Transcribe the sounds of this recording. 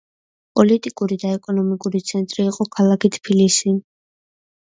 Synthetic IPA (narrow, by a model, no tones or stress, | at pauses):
pʼɔlit̪ʼikʼuɾid̪aɛkʼɔnɔmikʼuɾit̪sʰɛnt̪ʼɾiːqʼɔkʰalˠakit̪ʰpʰilisi